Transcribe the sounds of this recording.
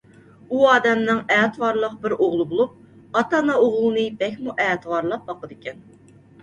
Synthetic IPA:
uɑːd̪ɛmnɪŋɛːt̪ʰɨwɑɾlˠəqbɪɾoʁlˠɨbolˠup̚ | ɑt̪ɑnɑoʁlˠɨnɨbɛkʲmuʔɛːt̪ʰwɑɾlˠɑp̚bɑqəd̪ɪkʲɛn

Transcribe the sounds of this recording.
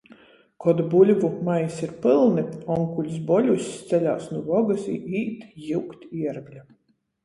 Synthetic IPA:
kɔd̪bulʲvumajsiɾpɨlˠnɨɔŋkulʲs̬bɔlʲusʲst̪sɛlʲa̰ːsnuvɔɡasḭːiːt̪jiwkt̪iɛɾɡlʲa

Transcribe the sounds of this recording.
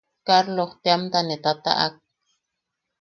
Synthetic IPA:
kaɾloχt̪eamt̪anet̪at̪a̰ʔa̰k̚

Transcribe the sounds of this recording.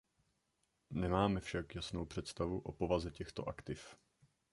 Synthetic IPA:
nɛmaːmɛfʃakjasnowpr̝̥ɛt̪st̪avuʔopovazɛcɛxt̪o̰ʔakt̪ɪf

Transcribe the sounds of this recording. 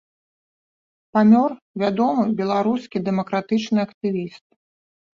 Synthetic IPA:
pamʲɔr | vʲad̪ɔmɨbʲɛlˠaɾuskʲid̪ɛmɐkɾat̪ɨt͡ʂnɨɐkt̪ɨvʲist̪̚

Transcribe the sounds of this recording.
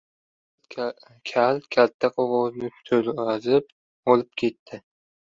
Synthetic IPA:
kʲʰalkʲʰat̪ʰːaqʰɒʁɒznɪ̥t̪ʰɵlazɪp̚ | ɒlɪp̚kʲʰe̞t̪ʰːɪ

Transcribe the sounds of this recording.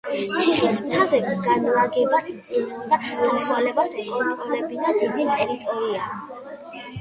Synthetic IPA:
t̪sʰiχismt̪ʰazɛɡ̥anlaɡɛba | id̪asaʃualɛbasɛkʼɔnt̪ʼɾɔlɛbid̪ad̪id̪it̪ʼɛɾit̪ʼɔɾia

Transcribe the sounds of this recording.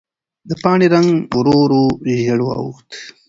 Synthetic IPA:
d̪əpɑːɳeɾaŋɡɾoɾoʒeɽoɑ̰wṵxt̪

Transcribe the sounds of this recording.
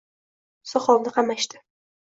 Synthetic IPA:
sɒχɒlnɪqʰɑmaʃt̪ɪ̥

